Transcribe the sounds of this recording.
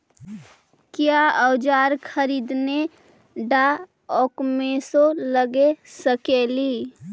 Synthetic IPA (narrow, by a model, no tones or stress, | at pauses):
kjaəwd͡ʒaːɾkʰəɾiːd̪ne | ɖa | ɔkmesoləɡesəkeli